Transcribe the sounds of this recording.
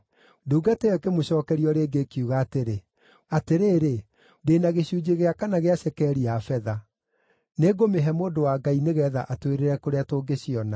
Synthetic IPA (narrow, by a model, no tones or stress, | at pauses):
duːɡateɛkemoɕɔːkɛɾiɔɾeːɡekjuɣaːteɾe | ateɾeːɾe | deːnaɣeɕud͡ʑeɣeakanaɣeaɕɛkɛɾiafɛða | neːɡomeɦɛmoːndowaːɡaineɣɛːða̰ʔatweɾeɾɛkoɾeatoːɡeɕiɔna